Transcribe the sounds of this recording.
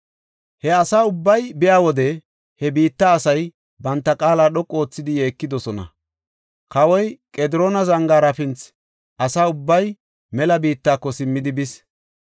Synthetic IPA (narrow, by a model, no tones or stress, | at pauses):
hɛɐsaːʊbːɐjbɪjaːwɔd̪ɛ | hɛbiːt̪ːɐːsɐj | bɐnt̪ːɐkʼaːlaːɗɔkʼːo̞ːt͡sːɪd̪ɪje̞ːkːɪd̪ɔsɔnɐ̰ | kɐwɔjkʼɛd̪ɪɾo̞ːnɐzɐŋɡaːɾɐfɪnt͡s | ʔɐsaːʊbːɐj | mɛlɐbiːt̪ːaːkːɔsɪmːɪd̪ɪbɪs